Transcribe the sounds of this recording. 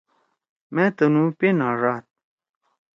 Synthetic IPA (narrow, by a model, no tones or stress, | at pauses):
mẽt̪ənũpenaɾaːt̪̚